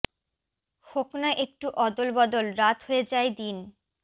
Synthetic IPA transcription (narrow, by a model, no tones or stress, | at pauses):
hoknaʔek̚ʈuʔɔd̪olbɔd̪olɾat̪ɦoed͡ʑaed̪in